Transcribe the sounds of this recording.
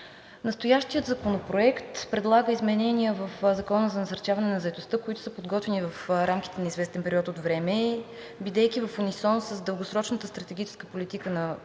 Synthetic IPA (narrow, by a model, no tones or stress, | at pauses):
nəst̪ojaʃt̪ijəd̪zɐkonopɾoɛkt̪pɾɛd̪lˠaɡəizmɛnɛnʲiəvəfzɐkɔnəzɐnɐsəɾt͡ʃavɐnɛnɐzəɛt̪ost̪ɤkoit̪ʊ̥səpod̪ɡɔt̪vɛnivəfɾamkʲi̥t̪ɛnɐizvɛst̪ɛnpɛɾiɔt̪ot̪vɾɛmɛ | bid̪ɛjkʲivɐfonisɔnsəzd̪əlˠɡosɾɔt͡ʃnət̪əst̪ɾət̪ɛɡ̟ʲit͡ʃɛ̥skəpolit̪ikənɐ